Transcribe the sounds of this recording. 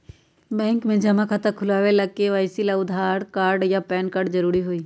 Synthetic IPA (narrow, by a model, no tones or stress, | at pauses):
bɛ̃ːŋkmẽd͡ʒɐmãkʰat̪akʰʊlaːʋelɐɡ̚keʋaːɪsilaʊd̪ʱaːɾkaːɾɖjapɛːnkaːɾɖzɐɾuːɾiɦoiː